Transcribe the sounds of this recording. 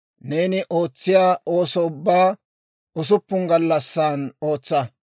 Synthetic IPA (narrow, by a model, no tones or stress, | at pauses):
ne̞ːnɪʔo̞ːt͡sːɪjaːʔo̞ːsɔʊbːaː | ʊs̬ʊpːʊŋɡɐlːɐsːaːno̞ːt͡sːɐ